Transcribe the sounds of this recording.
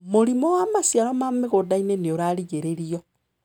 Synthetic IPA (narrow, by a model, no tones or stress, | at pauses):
moɾimɔwamasjaɾɔmameɣodaineneoɾaɾiɣeɾeɾiɔ